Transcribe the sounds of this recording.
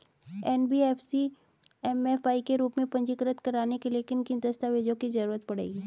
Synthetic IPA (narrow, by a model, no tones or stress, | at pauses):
ɛːnbiːɛːfʰsi | ɛmɛfaːikeɾuːpmẽpɐ̃ɲd͡ʒɪkɾət̪kɐɾaːnekeliekɪnkɪnd̪ɐst̪aʋeːd͡ʒõkizɐɾuːɾət̪pɐɽ̤ḛːɡiː